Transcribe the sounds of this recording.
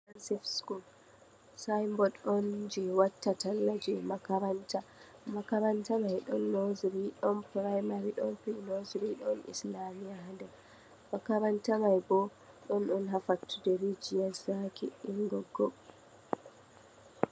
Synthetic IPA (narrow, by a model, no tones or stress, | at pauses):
ansɛfskul | sajmbɔɗɔnd͡ʒɛwatːatalːad͡ʒɛmakaɾanta | makaɾantamajɗɔnːozɾiɗɔnpɾajmaɾiɗɔnpinozɾiɗɔnḭslamijaɦandɛ | makaɾantamajbɔ | ɗɔnɔnɦafatːudeɾid͡ʒijazakiiŋɡɔɡːɔ